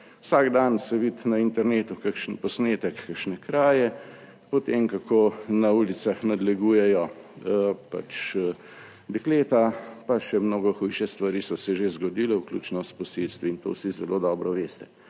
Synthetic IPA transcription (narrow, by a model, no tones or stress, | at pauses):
wsaɡd̪ansɛʋit̪naint̪ɛɾneːt̪ukakʃnpɔsneːt̪ɛkːakʃnɛkɾaːjɛ | pɔt̪eːmkakʰoːnauːlit̪saxnad̪lɛɡuːjɛjɔ | pa̰t͡ʃ | d̪ɛkleːt̪apaʃɛmnoːɡɔxujʃɛst̪ʋaɾiːsɔsɛʒezɡɔd̪iːlɛwklʲṵːt͡ʃnɔst̪pɔselst̪ʋiːnt̪o̰wsizɛlod̪ɔːbɾɔʋeːst̪ɛ̥